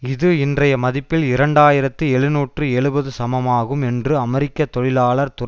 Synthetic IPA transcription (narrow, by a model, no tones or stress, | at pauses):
ɪðɯɪndrɐjɐmɐðɪpːɪlɪɾɐɳɖaːjɪɾɐt̪ːɯɛɻɯnuːʈrɯɛɻɯbɐðɯsɐmɐmaːɣɯmɛndrɯɐmɛɾɪkːɐt̪ːɔɻɪlaːɭɐɾt̪ʊ